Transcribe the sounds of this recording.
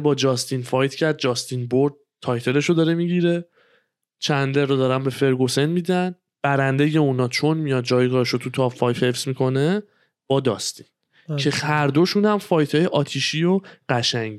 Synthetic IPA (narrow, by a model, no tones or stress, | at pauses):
bɒːd͡ʒɒːst̪ʰinfɒjt̪ʰcʰæɾd̪̚d͡ʒɒːst̪ʰinboɾd̪̚t̪ʰːɒːjt̪ʰe̞le̞ʃo̞d̪ɒːɾemiɟiɾe̞ | t͡ʃʰænd̪eɾːod̪ɒːɾænbe̞fe̞ɾɡose̞nmid̪æn | b̥æɾænd̪e̞je̞unɒːt͡ʃʰo̞nmijɒd̪̚d͡ʒɒːjɡɒːɾeʃot̪ʰut̪ʰɒfɒjt̪he̞fsmikʰo̞ne | b̥ɒːd̪ɒ̰st̪ʰi̥n | kʰe̞hæɾd̪o̞ʃuːnhæmfɒːjt̪ʰɒːjeʔɒːt̪ʰiʃioɢæʃæɲ